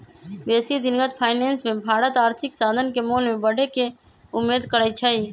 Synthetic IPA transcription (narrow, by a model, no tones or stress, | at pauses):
beːsid̪ɪnɡət̪pʰaːɪneːnsmẽbʱaːɾət̪aːɾt̪ʰɪksaːd̪ʱənkemoːlmẽbəɽ̤ʱeke | ʊmːeːd̪kəɾət͡ʃʰəi